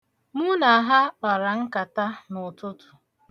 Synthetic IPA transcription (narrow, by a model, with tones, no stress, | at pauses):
mu˦na˨a˨ɦa˦k͡pa˨ɾa˨ŋ̩˦ka˨ta˦nʊ˨tʊ˦tʊ̥˨